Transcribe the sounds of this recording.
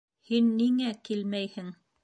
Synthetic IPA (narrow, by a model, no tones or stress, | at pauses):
hinːiŋækilmæjhɘŋ